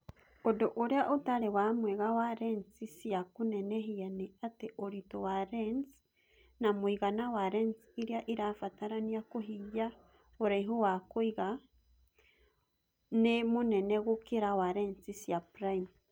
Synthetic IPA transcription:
odoʔoɾeaʔotaɾewamweɣawaɾent͡sisjakuneneɦianeateʔoɾitowaɾens | namuiɣanawaɾensiɾiaʔiɾafataɾaniakoɦija | oɾajɦuwakoiɣa | nemuneneɣokiɾawaɾent͡sisjapɾaim

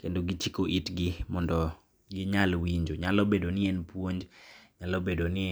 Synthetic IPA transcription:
kendoɡit͡ʃikoʔitɡɪmɔndɔ | jiɲalwiɲd͡ʒoɲalobedonɪɛnpwoɲd͡ʒɲalobedonɪ

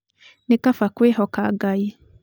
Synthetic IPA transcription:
nekafakweːɦɔkaɡaji

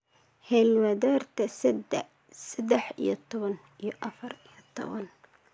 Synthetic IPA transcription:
hɛlwɐðɔːrt̪ʰɐ | sɛd̪ɛħḭjɞt̪ʰɔβɐn | ijɞʔɐfɐrijɔt̪ʰɔ̰βɐ̰n

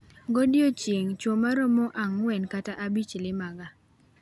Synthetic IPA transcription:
ɡodjot͡ʃjeŋt͡ʃwomaɾɔmɔʔaŋwɛnkataʔabit͡ʃlɪmaɡa

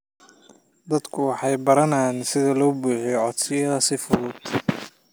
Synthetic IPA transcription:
d̪ɐd̪kʰʊwɑħɑjbɐɾɐnaːnsɪðɐlɔːbuːħijɔʕɔd̪sɪjɐðɐsɪfʊðʊd̪

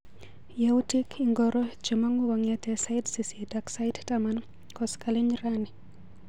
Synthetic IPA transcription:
jautikʰiŋɡɔɾɔd͡ʒemaŋuɡɔŋɛtɛsaɪtsisidaksajttaman | kɔskaleɲɾani

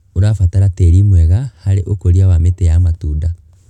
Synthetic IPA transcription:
oɾafataɾatɛɾimwɛɣahaɾeʔokoɾiawametɛjamatuːda

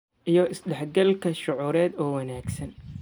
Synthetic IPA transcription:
ʔijɔɪsɖɛħɡɐlkʰɐʃʊʕuːɾɛːd̪ɔːwɐnaːɡsɐn

